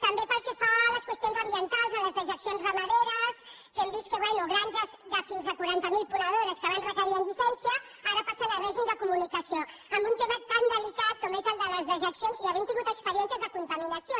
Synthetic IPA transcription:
t̪əmbepəlˠkɛfaləskwəst̪ionzəmbiənt̪alˠzələzðəʒəksionzrəməðeɾəs | kɛmbis̚kəβɛnuɣɾanʲʒəzðəfinzəkuɾant̪əmilˠpuɾəð̞oɾəskəβanrəkəɾiənd͡ʒ̪usɛnsiə | aɾəpasənəlrɛʒimd̪əkumunikəsio | əmbunt̪eβat̪t̪ːand̪əlikat̪̚kɔmezəlˠd̪ələzðəʒəksijonziəβint̪iɣut̪əkspəɾiɛns̬iəzðəkunt̪əminəsio

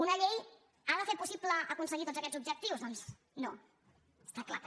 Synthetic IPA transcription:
unəʎej | aðəfet̪̚pusipləʔːkunsəɣit̪ond͡zzəkɛ̥zub̚d͡ʒək̚t̪iwzðɔns | no | əst̪akla̰t

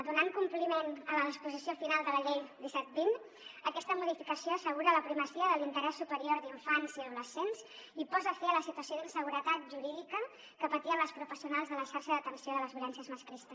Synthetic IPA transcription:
d̪unaŋkumplimenələispuzisiofinalˠd̪ələʎejd̪isɛt̪̚bin | əkɛst̪əmuðifikəsioəsəɣ̞uɾələpɾiməsiəðəlint̪əɾɛsːupəɾioɾd̪iɱfanziəðuləsensipɔzəfiələsit̪uəsioðinsəɣ̞uɾət̪at̪̚ʒuɾiðikə | kəpət̪iənləspɾufəsiunalˠzðələʃaɾʃəðət̪ənsioðələzðjulɛnsiəzməskɾist̪əs

